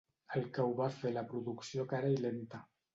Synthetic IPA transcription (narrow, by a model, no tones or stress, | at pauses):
alkawβafelapɾuðuksjokaɾajlent̪a